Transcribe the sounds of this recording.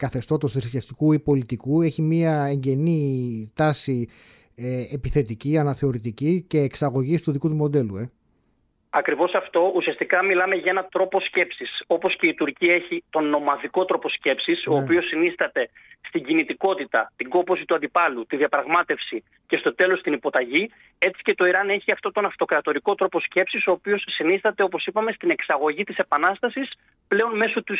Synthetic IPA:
kɐθe̞st̪o̞t̪osðisceft̪ikuipo̞lit̪ikue̞çimiɐe̞ɲɟe̞nit̪ɐsi | eepiθe̞t̪iciɐnɐθe̞o̞ɾit̪icice̞ːksɐɣo̞ʝist̪uðikut̪umo̞d̪e̞lue̞ | ɐkɾivo̞sɐft̪o̞usiɐst̪ikɐmilɐme̞ʝɐe̞nɐt̪ɾo̞po̞sce̞psiso̞po̞sce̞it̪uɾciɐeçit̪o̞nːo̞mɐðiko̞t̪ɾo̞po̞sce̞psiso̞ːpio̞sinist̪ɐt̪e̞ | st̪iɲɟinit̪iko̞t̪it̪ɐt̪iɡo̞po̞sit̪uɐnd̪ipɐlut̪iðiɐpɾɐɣmɐt̪e̞fsi | ce̞st̪o̞t̪e̞lo̞st̪inipo̞t̪ɐʝi | e̞t͡si̥ce̞t̪o̞iɾɐne̞çiɐft̪o̞t̪o̞nɐft̪o̞kɾɐt̪o̞ɾiko̞t̪ɾo̞po̞sce̞psiso̞ːpio̞sːinist̪ɐt̪e̞o̞po̞sipɐme̞st̪ine̞ksɐɣo̞ʝit̪ise̞pɐnɐst̪ɐsis | ple̞o̞nme̞sot̪u

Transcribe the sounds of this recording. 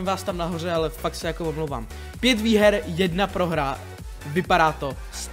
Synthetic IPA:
mvaːst̪amnaɦo̞r̝ɛalɛfaksɛjakoomlowva̰ːm | pjɛt̪viːɦɛɾjɛdnapɾo̞ɦɾa | vɪpaɾaːt̪o̞ | s

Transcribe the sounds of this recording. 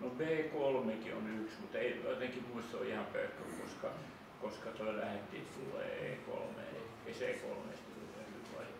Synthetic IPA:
nobeːkolmekio̰nyksmut̪eijo̰it̪eŋkimuist̪o̰ihɑmpøyk̪ːykoskɑ | koskɑt̪oilæhet̪ːiːt̪ulːḛḛːko̰lmḛḛi | eiseːko̰lmḛst̪ulːæhyʋɑ̰i

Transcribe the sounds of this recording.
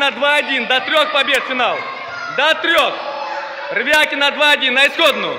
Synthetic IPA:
nɐd̪vaɐdʲind̪ɐt̪ɾʲoxpɐbʲe̞t̪fʲɪnalˠ | d̪ɐt̪ɾʲox | rvʲakʲɪnɐd̪vaɐdʲinːɐɪsxod̪nʊjʊ

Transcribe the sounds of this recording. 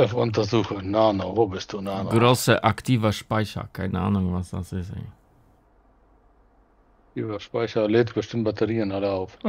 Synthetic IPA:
ɛfʊntɐzuːxənaːnovoːbɪstd̥unaːnɡʁoːsəʔaktʰiːvəʃpaɪçɐ̰kʰaɪnəa̰ːnʊŋvasd̥a̰sɪsḛ | aktiːvɐʃpaɪçɐleːtb̥əʃtɪmt̚b̥atəʁiːənaləaʊf

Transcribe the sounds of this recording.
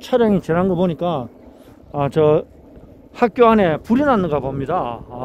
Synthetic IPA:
t͡ɕʰaɾjaŋit͡ɕeɾɦanɡʌpoɲik͈aː | t͡ɕʌ | hak̚k͈joane̞puɾinanɯɡabomɲida

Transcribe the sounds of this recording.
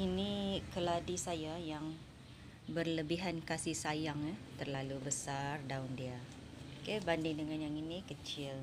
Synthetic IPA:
inikəladisajajaŋ | bərləbiɦankasihsajaŋat̪ərlalubəsardaundia | kebandɪŋdəŋanjaŋinikət͡ʃɪl

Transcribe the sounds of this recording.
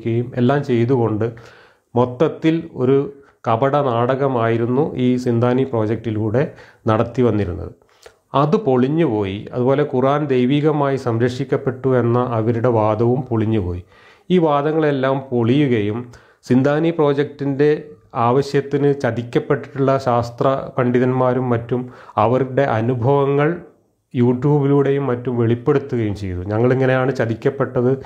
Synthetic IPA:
kʲːɐjume̞̰lːaːmt͡ɕe̞jt̪uɣo̞ɳɖɨ | mo̞t̪ːɐt̪ːilo̞̰ɾu | kɐbɐɽɐnaːɽɐɣɐmaːjiɾunːuʔiːsind̪ʱaːnipro̞ːd͡ʑɐk̚ʈilkuːɽe̞nɐɽɐt̪ːiʋɐnːiɾunːɐ̰ðɨ | ɐðɨpo̞ɭiɲːupo̞ːjḭɐ̰ðubo̞ːlekuraːnd̪ejʋiːɣɐmaːjisɐmɾɐkʂikʲːɐpːe̞ʈːue̞nːɐʔɐʋɐɾuɽe̞ʋaːd̪ɐʋumpoɭiɲːupo̞ːji | iːʋaːd̪ɐŋːɐɭe̞lːaːmpo̞ɭijuɣɐjum | sind̪ʱaːnipro̞ːd͡ʑek̚tinde̞aːʋɐɕjɐt̪ːinɨt͡ɕɐðikʲːɐpːe̞ʈːiʈuɭːɐɕaːst̪rɐkɐɳɖiðɐnmaːɾumːɐtːumɐʋɐɾuɽe̞ʔɐnubʱɐʋɐŋːɐɭ | juːʈjuːbiluːɽe̞jumːɐtːumʋe̞ɭipːe̞ɽut̪ːuɣɐjumt͡ɕe̞jɐuɲɐŋːɐɭeŋːɐne̞jaːɳɨt͡ɕɐðikʲːɐpːe̞ʈːɐðɨ

